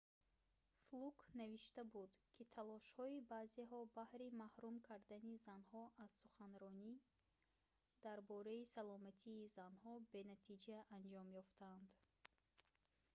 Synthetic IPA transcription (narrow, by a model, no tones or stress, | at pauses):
flukʰnaviʃt̪abud̪kʰit̪ʰalɔʃhɔibazeɦɔbahɾimahɾumkʰaɾd̪anizanhɔʔaz̥suχanɾɔni | d̪̥aɾbɔɾaisalɔmat̪ʰiːzanhɔbe̞nat̪ʰid͡ʒaʔand͡ʒɔmjɔft̪ʰaːnd̪